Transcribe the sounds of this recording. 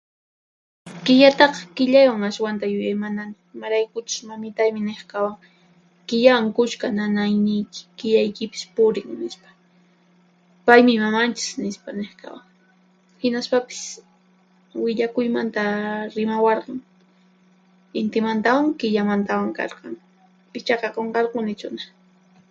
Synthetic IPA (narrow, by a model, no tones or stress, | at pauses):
kɪʎat̪ɑqɑ̥kɪʎajwaŋaʃwant̪ajʊjamana | ɪmaɾajkʊt͡ʃʊ̥smamɪt̪ajmɪneχkawaŋ | kɪʎawaŋkʊʃkananajnɪjkɪ̥kɪʎajkɪpɪ̥spʊɾɪŋnɪspḁ | pajmɪmamant͡ʃɪ̥snɪspaneχka̰waŋ | hɪnaspapɪ̥s | wɪʎakʊjmant̪aɾɪmawɑɾqɑŋ | ɪnt̪ɪmant̪awaŋkɪʎamant̪awaŋkɑ̰ɾqɑŋ | ɪt͡ʃɑqɑqoɴqɑɾqʊnɪt͡ʃʊna